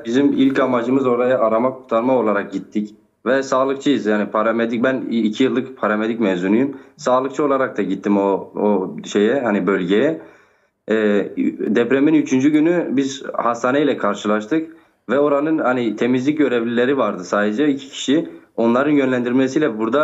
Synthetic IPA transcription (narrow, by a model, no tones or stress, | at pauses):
bizimilʲcamad͡ʒɯmɯzo̞ɾajaʔaɾamakʰuɾt̪ʰaɾmao̞lˠaɾak̚ɟit̪ʰːic | vɛsaːlˠɯk̚t͡ʃʰɯjɯzjaːnipʰaɾamed̪icbænːcʰijɯlˠːɯkpʰaɾamed̪icmɛvzunujymsaːlˠɯk̚t͡ʃʰɯo̞lˠaɾak̚t̪aɟit̪ʰːimooʃe̞jɛhanibø̞lʲɟejɛː | d̪ɛpɾeminyt͡ʃʰynd͡ʒyɟynybizhast̪ʰaːnejilʲɛkʰaɾʃɯlˠaʃt̪ʰɯk | vɛo̞ɾanɯnhanit̪ʰe̞mizlʲic̚ɟø̞ɾevlʲilʲe̞ɾivaɾd̪ɯsaːd̪ed͡ʒɛicʰi̥cʰi̥ʃio̞nlˠaɾɯnjønlʲænd̪iɾmesijlʲɛbuɾd̪a